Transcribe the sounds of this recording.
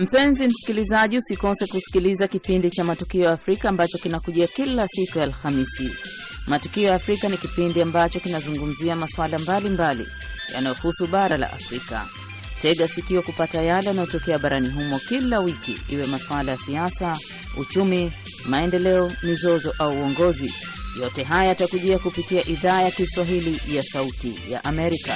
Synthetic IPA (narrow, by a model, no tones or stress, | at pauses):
m̩pɛnzim̩si̥kilizaʄiusikɔsɛkusi̥kilizakipindit͡ʃamatukiɔjaːfɾikaːmbat͡ʃɔkinakuʄiakilasikujaːlxamisḭ | matu̥kiɔjaːfɾikanikipindiambat͡ʃɔkinazuŋɡum̩ziamaswalambalimbalḭ | ja̰najɔhusuɓaɾala̰ʔa̰fɾika̰ | tɛɠasikiɔkupatajalɛjanajɔtɔkɛaɓaɾaniɦumɔkilawikḭiwɛmaswalajasiasa | ṵt͡ʃumi | maɛndɛlɛɔmizɔzɔʔauːɔŋɡɔzḭ | jɔtɛɦajajatakuʄiakupitiaʔiðaːjakiswaɦilijasautḭja̰ʔamɛɾika̰